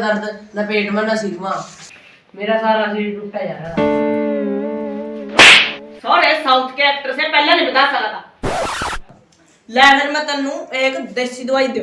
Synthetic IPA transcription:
d̪əɾd̪napeːʈmɛ̃ːnãːsiːɡmãː | meːɾaːsaːɾaːsiːʈupɛːjaːɦɛ | sɔːɽeːsaːut̪ʰkeɛːk̚t̪ɾəsẽːpɛːlãːliːbəd̪aːsəkaːt̪aː | lɛːnəɾmɛ̃ːt̪ənːũːeːkd̪eːʃiːd̪ʊaːiːd̪e

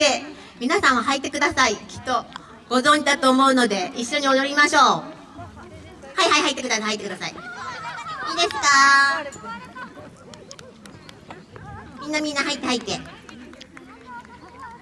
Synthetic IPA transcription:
e | mʲinasãɰ̃oɦait̪ːe̞kɯ̟d̪asaikʲi̥t̪ːo̞ | ɡ̥o̞zõ̞ɲ̟d͡ʑid̪at̪o̞ːmo̞ɯ̟no̞d̪e̞iɕːo̞ɲ̟iod̪o̞ɾʲimaɕo̞ː | haihaihait̪ːekɯd̪asahait̪ːekɯ̟d̪asa̰ḭ | iːd̪e̞sɨ̥ka | mʲĩnːamʲĩnːaɦait̪ːehait̪ːe̞

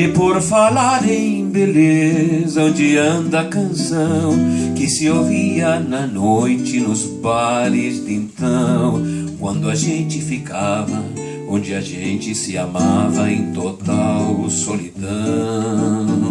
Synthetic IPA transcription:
ɪpoɾfalaɾẽj̃belezɐ̃d͡ʒɪɐ̃d̪ɐkɐ̃sɐ̃w̃kɪsɪoviɐnɐnojt͡ʃɪnʊz | balɪzd̪ĩnt̪ɐ̃w̃kwɐ̃nd̪ʊɐʒẽnt͡ʃɪfikavɐ | õd͡ʒɪɐʒẽnt͡ʃɪsɪamavɐẽj̃t̪ot̪awsolid̪ɐ̃

